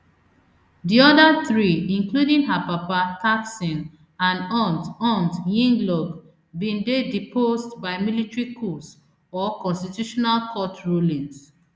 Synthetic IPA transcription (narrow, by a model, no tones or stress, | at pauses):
diɔdaθɹiĩŋkludĩŋɦapapataksĩn | ãnɔ̃ntɔ̃ntjĩŋɡlɔɡ | bĩndedipʰostbaɪmilitɹikʰɔs | ɔkɔ̃nstitjuʃɔnalkʰɔtɹulĩŋs